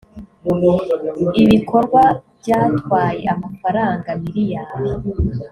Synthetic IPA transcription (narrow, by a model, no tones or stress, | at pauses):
iβiko̞ɾɡwabɟaːt̪ɡwaːje̞̰ʔamafaɾaːŋɡamiɾijaːβo